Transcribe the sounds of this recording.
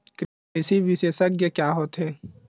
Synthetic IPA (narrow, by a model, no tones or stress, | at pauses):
kɾ | ɪsiʋɪseːsəkjəkjaːɦoːt̪ɦɛː